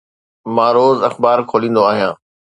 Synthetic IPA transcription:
mãːɾoːzɐxbaːɾkʰoːlĩːn̆d̪oaːɦijãː

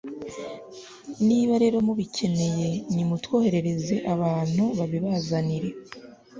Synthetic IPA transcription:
niːβaɾe̞ːɾo̞muβice̞ne̞je̞ɲimutwo̞ːhe̞ɾe̞ɾe̞ze̞ʔaβaːn̥huβaβiβazaniɾe̞

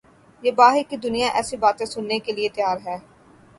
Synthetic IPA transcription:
jeːbaːɦɪɾkid̪ʊnijãʔɛːsibaːt̪ẽsʊnːekeliet̪jaːɾɦɛː

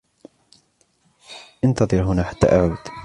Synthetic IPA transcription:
ʔant̪ɑðˤɨɾɦʊnaːħḁt̪ːa̰ːʔaʕuːd̪̥

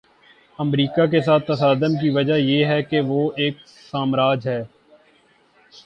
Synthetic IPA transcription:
əmɾiːkak̬es̬aːt̪ːɐsaːd̪ənk̬iʋɐd͡ʒajeːɦɛkeʋoːeːk̚ | saːmɾaːd͡ʒɦɛː

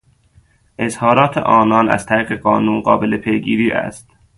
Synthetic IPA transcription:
ʔezhɒːɾɒːt̪ʰḛʔɒːnɒːnæ̰z̥t̪ʰæɾiːɣeɢɒːnuːnɢɒ̰ːbelepʰejɡiːɾiːʔæ̰st̪

